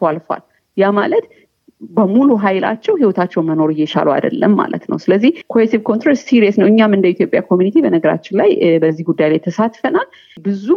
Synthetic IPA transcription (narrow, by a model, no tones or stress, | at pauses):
falfa̰l | jamalət̪ | bəmuluɦajla̰t͡ʃːɛwhiwɔt̪ʰat͡ʃːɛwməno̞ɾɨjːɛʃa̰lua̰d̪ə̰lːəmːa̰lə̰t̪nə̰wsɨləzːihkʰo̞et̪ivkʰont̪ɾɛst̪siɾiəsnəwɨɲːamɨnd̪əit̪ʰjopʼja̰kʰomjunit̪ʰibənəɡəɾa̰t͡ʃːɪnlajbəzːihɡud̪ːajlajt̪ʰəsat̪fənal | bɨzu